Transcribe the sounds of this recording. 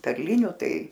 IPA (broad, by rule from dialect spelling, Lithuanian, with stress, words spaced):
pʲɛrʲˈlʲɪnʲʊ ˈtɐɪ